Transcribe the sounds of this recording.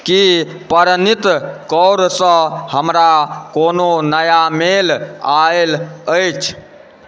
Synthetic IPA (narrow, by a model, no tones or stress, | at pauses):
ki | pəɾnit̪kɔwɾsə̃həmɾakononəjamelaeləjt͡ʃʰ